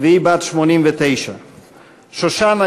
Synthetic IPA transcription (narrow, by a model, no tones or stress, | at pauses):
ðɛibat̪ʃmɔnimvɛt̪ɛjʃa̰ | ʃɔʃana